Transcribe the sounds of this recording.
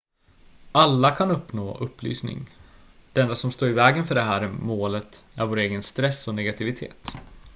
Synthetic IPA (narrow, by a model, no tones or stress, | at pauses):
alːakʰanɵpːnoːʔɵpːly̰ːsnɪ̰ŋ | d̪̥ɛnːasɔmst̪oːɾɪvɛːɡənfœɖɛɦæːɾmoːlət̪æ̰ɾvoːɾeːɡənst̪ɾɛsːɔnɛɡat̪ʰɪvɪt̪ʰḛːt̪